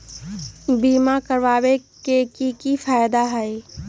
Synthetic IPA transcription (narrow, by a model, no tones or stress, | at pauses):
biːmakəɾʋaːwekekikifaːjd̪aɦɛe